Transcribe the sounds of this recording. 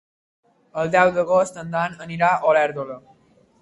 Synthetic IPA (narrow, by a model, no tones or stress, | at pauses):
əld̪jawd̪əɡɔst̪ənd̪anəniɾaʔɔlaɾd̪olə